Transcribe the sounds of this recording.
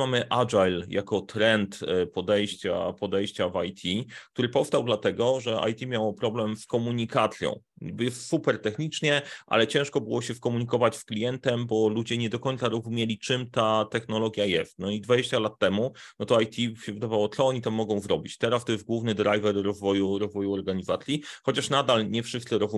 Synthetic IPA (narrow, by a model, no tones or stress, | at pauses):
mamɘʔad͡ʐajljakɔt̪ɾɛnt̪pɔd̪ɛjɕt͡ɕa̰pɔd̪ɛjɕt͡ɕavajt̪ʲʰik̚t̪uɾɘpɔfst̪awd̪lat̪ɛɡɔʐɛa̰jt̪ʲimʲjawɔpɾɔblɛmskɔmuɲikat̪sʲjɔ̰̃w̃ | bjɛssupɛɾt̪ɛxɲit͡ʂɲɛʔa̰lɛt͡ɕɛ̃ʂkɔbɘwɔɕɛskɔmuɲikɔvat͡ɕsklʲijɛnt̪ɛmbɔlud͡ʑɛɲɛd̪ɔkɔɲnt̪saɾɔzumʲjelʲit͡ʂɘmt̪at̪ɛxnɔlɔɡʲjajɛst̪̚nɔid̪vad͡ʑeɕt͡ɕalat̪ːɛmunɔt̪ɔajt̪ʰʲiɕɛvɘd̪avawɔt̪sɔɔɲit̪amːɔɡɔ̃w̃zɾɔbʲit͡ɕt̪ɛɾast̪ɔjɛst̪ɡwuvnɘd̪ɾajvɛɾːɔzvɔjuɾɔzvɔjuɔɾɡaɲizat̪sʲjixɔt͡ɕaʂnad̪alɲɛfʂɨst̪sɨɾɔzu